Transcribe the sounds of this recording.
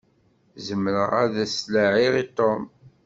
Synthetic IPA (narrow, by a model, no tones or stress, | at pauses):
zəmːɾəʁæðæslaʕiʁit̪ˤom